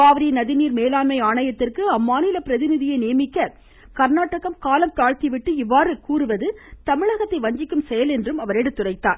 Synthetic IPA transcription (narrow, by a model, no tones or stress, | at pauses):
aːʋɐɾinɐðɪniːɾmeːlaːnmɐɪaːɳɐjɐt̪ːɪrkɯɐmːaːnɪlɐpɪɾɐðɪnɪðɪjɐɪnijɐmɪkːɐ | kɐɾnaːʈːɐɣɐmkaːlɐmt̪aːɻt̪iʋɪʈːɯɪʋːaːɾɯkuːɾɯʋɐðɯt̪ɐmɪɻɐɣɐt̪ːɐɪʋɐɲd͡ʒɪkːɯmsɛjɐlɛndrɯmɐʋɐɾɛɽɯt̪ːʊrɐɪt̪ːaːɾ